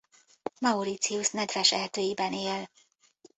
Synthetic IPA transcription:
mɒuɾit̪siusnɛd̪vɛʃɛɦt̪øːjibɛneːl

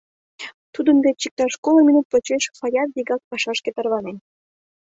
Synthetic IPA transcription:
t̪ud̪ə̆nb̪et͡ɕik̚t̪ɑʃkolˠɤ̆mʲinut̪̚pot͡ɕeʃxɑjɑt̪̚ziɡɑk̚pɑʃɑʃket̪ɑrlɑnen

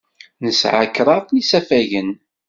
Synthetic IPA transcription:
nəsʕakːɾˤɑðˤnisæfæʝən

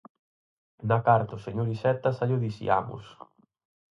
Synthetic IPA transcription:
nakaɾt̪ʊseɲoɾisɛt̪ɐsaʎoðisḭa̰mʊ̰s

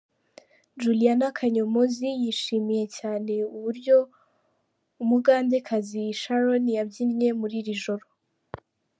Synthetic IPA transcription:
d͡ʒulijanakʰaɲomozijiʃiːmije̞caːne̞uβuɾɟo̞ | umuɡaːnde̞kʰaziːʃaɾonijabɟinɲe̞muɾiɾiʒo̞ɾo

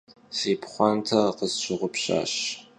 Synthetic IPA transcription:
siːpʰχʷɑntʰɐqəzt͡ʃʷʰɪʁʷʊpʰɕa̰ːɕ

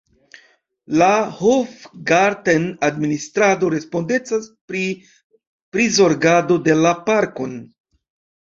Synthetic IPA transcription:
lahofɡaɾdenadministɾado̞ɾe̞spo̞nde̞t͡sas | pɾizo̞ɾɡado̞de̞lapaɾkon

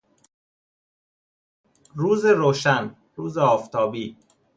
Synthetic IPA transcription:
ruːzeɾoːʃæn | ɾuːzeɒːft̪ʰɒːbiː

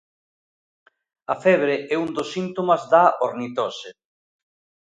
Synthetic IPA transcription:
ɐfɛβ̞ɾeʔɛund̪osint̪omazðaoɾnit̪ɔse

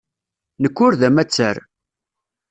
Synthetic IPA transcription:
nəkːʊɾðæmæt͡sːæɾ

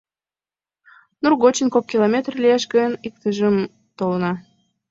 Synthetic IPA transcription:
nurɣot͡ɕənkokkːilˠomʲet̪rlʲieʃɡənik̚t̪əʒəm | t̪olnɑ

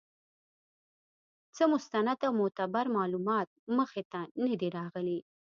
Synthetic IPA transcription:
t͡səmʊst̪anad̪awmʊt̪abaɾmɑlumɑt̪̚məxet̪anad̪iɾɑɣəli

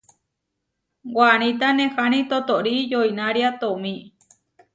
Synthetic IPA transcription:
ɡʷañĩt̪̬anẽxañĩt̪ot̪oɾijoinaɾiat̪omĩ

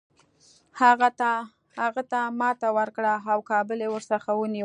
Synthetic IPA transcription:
haɣat̪a | haɣat̪amɑt̪awəɾkɽaawkɑbəlewəɾsaxawəni

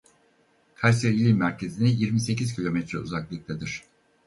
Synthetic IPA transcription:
kʰaɾseɾilʲimːæɾcʰe̞zinijiɾmise̞cizcʰilʲo̞mɛt̪ɾɛṵzaklˠɯk̚t̪ʰed̪iɾ̥

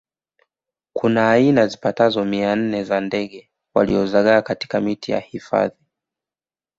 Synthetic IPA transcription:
kʰunaːinazipatazɔmian̩nɛzandɛɠɛ | wa̰lḭɔzaɠaːkati̥kamitija̰hifa̰ði

